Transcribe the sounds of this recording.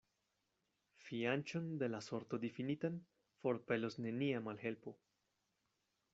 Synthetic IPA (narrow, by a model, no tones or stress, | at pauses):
fiant͡ʃond̪e̞laso̞ɾt̪od̪ifinit̪an | fo̞ɾpe̞losne̞niamalhe̞lpo̞